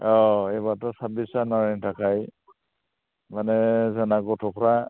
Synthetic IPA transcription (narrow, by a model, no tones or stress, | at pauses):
ɔebatɔsabisanaɹintʰakaj | manɛzanaɡɔtʰɔkʰɔɹa